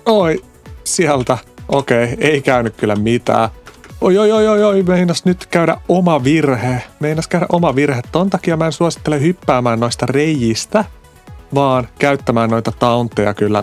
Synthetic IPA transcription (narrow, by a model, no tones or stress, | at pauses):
oi | siælt̪æʔokeieikæynykkylːæmit̪æ̰ːojojojojoimeinːɑsnyt̪kæyɾæ̰ʔʔomɑʋirhemeinːɑskæyɾæ̰ʔomɑʋirhet̪t̪ːont̪ɑkijɑmænsuosi̥t̪ːelehypːæːmæːnnoist̪ɑrejːist̪æ | ʋɑːnkæyt̪ːæmæːnnojt̪ɑt̪ɑunt̪ːejɑ̰kylːæ̰